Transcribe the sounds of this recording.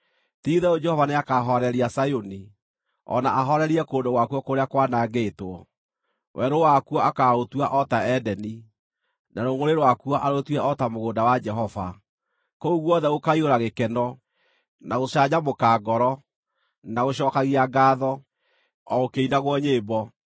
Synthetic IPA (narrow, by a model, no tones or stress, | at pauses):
tiðɛod͡ʒɛhɔvaneakaɦɔɾɛɾiasajoni | ɔ̰naʔaɦɔɾɛɾiɛkoːndoɣwakwɔkoɾeakwanaːɡeːtwɔ | wʔɛɾowakuɔakaotwaʔɔtaɛdɛni | naɾoŋoɾeɾwakuɔʔaɾotwɛʔɔtamoɣoːndawad͡ʒɛɦɔva̰ | kouɣwɔðɛɣokaioɾaɣekɛnɔ | naɣoɕaɲamokaːɡɔɾɔ | naɣoɕɔːkaɣiaɡaːðɔ | ɔokeinaɣwɔɲeːbɔ